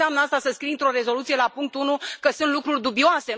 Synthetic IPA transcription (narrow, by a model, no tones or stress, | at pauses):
amnəast̪asəskɾint̪ɾo̞ɾe̞zo̞lut̪sije̞lapuŋkt̪unukəsunt̪lukɾurʲd̪ubioase̞